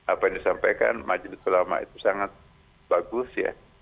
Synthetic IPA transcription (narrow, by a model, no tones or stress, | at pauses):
ʔapajaŋdisampajka̰nmʔad͡ʒlit̪ulama̰ḭt̪usaŋat̪̚ | baɡʊsja̰